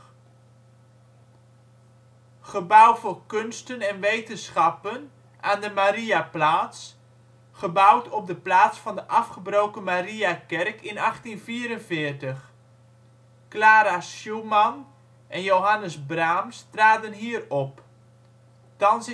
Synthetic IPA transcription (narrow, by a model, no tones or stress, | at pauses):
χəbʌwvʊːrkɵnstənɛnʋejtənsχɑpən | ʔaːndəmaɾiaplaːts | χəbʌwtʰɔb̚dəplaːtsfɑndəʔɑfχəbrowkəmariakɛrkɪnɑχtinviːɾənvɪːrtəχ | klaːɾasumɑn | ʔɛnjowɦɑnəzbraːmstraːdənɦiːrɔp | tɑns